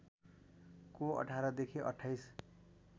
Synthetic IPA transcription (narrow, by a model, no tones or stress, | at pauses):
koʌ̰ʈʰaɾʌd̪ekʰiʔʌ̰ʈʰːajs